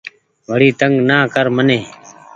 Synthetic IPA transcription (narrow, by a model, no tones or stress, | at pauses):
ʋəɽiːt̪əŋɡnaːkəɾməneː